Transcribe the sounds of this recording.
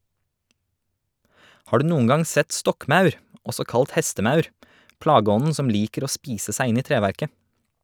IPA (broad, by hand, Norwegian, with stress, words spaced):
ˈhɑː ˈɖʉː ˈnuːŋ̍ ˈɡɑŋ ˈsɛt ˈstɔkˌmɑʉɾ ˈɔsɔ ˈkɑlt ˈhɛstəˌmɑʉɾ ˈplɑːɡəˌɔnn̩ ˈsɔm ˈliːkəɾ ˈoː ˈspiːsə ˈsæɪ ˈɪn ˈiː ˈtɾeːʋæɾkə